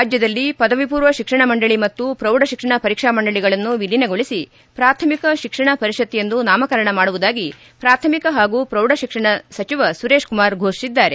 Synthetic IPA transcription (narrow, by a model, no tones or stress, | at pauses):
ɾaːd͡ʒjɐd̪ɐlːipɐd̪ɐʋipuːɾʋɐʃikʂɐɳɐmɐɳɖɐɭimɐt̪ːupɾɐwɖɐʃikʂɐɳɐpɐɾikʂaːmɐɳɖɐɭiɡɐɭɐnːuʋilːineɡo̞ɭisi | pɾaːɾt̪ʰɐmikɐʃikʂɐɳɐpɐɾiʃɐt̪ːijend̪unaːmɐkɐɾɐɳɐmaːɽuʋud̪aːɡi | pɾaːɾt̪ʰɐmikɐɦaːɡuːpɾɐwɖɐʃikʂɐɳɐsɐt͡ʃiʋɐsuɾeːʂkumaːɾɡʱoːʂsid̪ːaːɾe